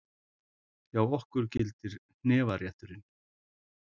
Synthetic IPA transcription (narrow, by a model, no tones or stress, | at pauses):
jawɔhkʏɾ̥cɪlt̪ɪɾ̥n̥ɛːvaɾjɛht̪ʏɾɪn